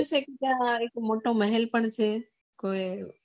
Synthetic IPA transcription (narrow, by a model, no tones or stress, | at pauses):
ut͡ʃʰeːkit̪ãɪkmoːʈõːməɦɛlpəɳt͡ʃʰeː | koːe